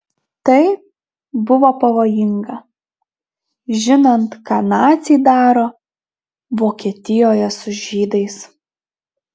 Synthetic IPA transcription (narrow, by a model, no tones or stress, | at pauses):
t̪ɐɪ | bʊʋoːpɐʋoːjɪŋɡɐ | ʒʲɪnɐnt̪kɑːnɑːt̪sʲiːd̪ɑːɾoː | ʋoːkʲiɛt̪ʲɪjoːjɛsʊʒʲiːd̪ɐɪs